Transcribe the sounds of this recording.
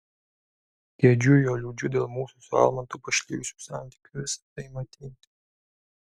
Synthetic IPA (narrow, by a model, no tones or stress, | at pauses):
k̪ʲeɛd͡ʒʲʊjoːlʲuːd͡ʒʲʊd̪ʲeːlˠmuːsusʊɑ̰lˠmɐnt̪uːpɐʃʲlʲiːʊsʲu̥ːsɑˑnʲt̪ʲi̥ːkʲuʋʲɪsɐ̥t̪ɐɪmɐt̪ʲiːt̪ʲ